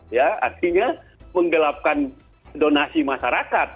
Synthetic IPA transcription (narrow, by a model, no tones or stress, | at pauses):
jaa̰rt̪iɲa | məŋɡəlap̚kan | donasimasaɾakat̪̚